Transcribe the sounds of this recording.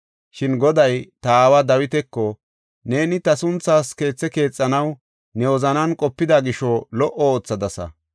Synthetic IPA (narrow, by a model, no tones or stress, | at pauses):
ʃɪnɡɔd̪ɐjt̪ɐaːwɐd̪ɐwɪt̪ɛkːɔ | ne̞ːnɪt̪ɐsʊnt͡sːaːske̞ːt͡sːɛke̞ːt͡sʼːɐnɐw | nɛwɔzɐnɐnkʼɔpːɪd̪aɡɪʃɔlɔʔɔːt͡sːɐd̪ɐsɐ̰